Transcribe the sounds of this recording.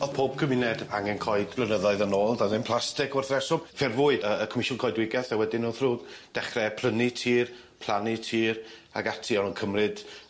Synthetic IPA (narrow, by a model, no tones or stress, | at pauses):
ɔð̥pʰoːb̥̚kʰəmɪnɛdaŋɛnkʰɔɨdlənəðɔɨðanoːlˠdanɪnpʰl̥ˠastɪkɔrθrɛsɔmfɪrvʊːɨəəkʰɔmɪʃʊnkʰɔɨdwɪɡɛθɛwɛdɪnuːθruːɡd̥ɛχrɛpʰl̥ənitʰiːr | pʰl̥ˠanitʰiːra̰ɡatʰiɔnənkʰəmrɨd̥